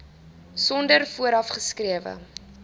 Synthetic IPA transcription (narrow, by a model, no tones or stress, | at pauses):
sɔndərfuəɾɐfχəskriəvə̰